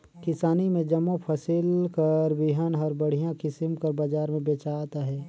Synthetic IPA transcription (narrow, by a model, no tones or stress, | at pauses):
kɪsaːnimẽd͡ʒɐmːõpʰəsɪlkəɾbɪɦənɦɔːɾbɐɽ̤ijãkɪsɪmkɐɾbad͡ʒaːɾmẽbeːt͡ʃat̪aɦɛː